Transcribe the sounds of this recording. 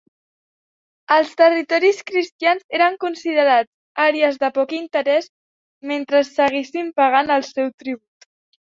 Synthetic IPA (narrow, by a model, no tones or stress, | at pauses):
əlˠst̪ərit̪ɔɾiskɾist̪janzeɾəŋkunsiðəɾad͡z | aɾeəzðəpɔkint̪əɾɛs | ment̪ɾəsːəɣesimpəɣanəlˠsɛwt̪ɾiβ̞ut̪